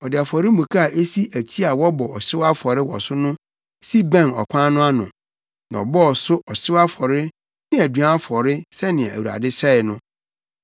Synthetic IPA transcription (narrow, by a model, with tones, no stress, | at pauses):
ɔ˨dɪ˨a˨fɔ˨ɾɪ˦mũ˨kʰa˦a˨ʔe˦si˦ʔæ˨t͡ɕʰi˦a˨wɔ˦bɔ˨ɔ˨ɕɪ˦wa˦fɔ˨ɾɪ˦wɔ̰˨sʊ˦nʊ̃˦ | si˦bã˦˨nɔ̰˨kʰʷã˦nʊ̃˦a˦nʊ̰̃˨ | nã̰˨ɔ̰˨bɔ˦ɔ˨sʊ˦ʔɔ˨ɕɪ˦wa˦fɔ˨ɾɪ˦ | nɪ̃˦æ˨dɥã˦fɔ˨ɾɪ˦sɛ˦nɪ̃˨ɛ̰̃˨æ̰˨wu˨ɾa̰˨dɪ˦ɕɛ˦ɪ˨nʊ̃˦